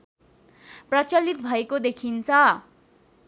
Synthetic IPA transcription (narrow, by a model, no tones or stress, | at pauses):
prʌt͡sʌlːit̪bʱʌekod̪ekʰint͡sʰʌ